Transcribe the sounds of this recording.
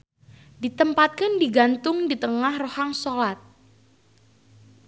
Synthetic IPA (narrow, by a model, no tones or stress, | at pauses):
dit̪əmpat̪̚kəndiɡant̪ʊŋdit̪əŋahrohaŋsolat̪̚